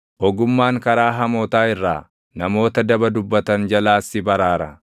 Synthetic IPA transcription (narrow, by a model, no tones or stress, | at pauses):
ʔɔɡʊmːaːŋkɐɾaːɦɐmoːt̪aːɪrːa̰ː | nɐmo̞ːt̪ɐd̪ɐbɐd̪ʊbːɐt̪ɐnd͡ʒɐlaːsːɪbɐɾaːɾɐ